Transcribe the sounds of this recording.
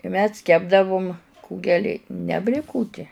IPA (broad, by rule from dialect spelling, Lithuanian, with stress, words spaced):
ɪ ˈmʲɛs ˈkʲæːbdɐʋʊm ˈkuːɡʲɛlʲɪ nʲɛ bʲlʲeːˈkʊtʲiɛ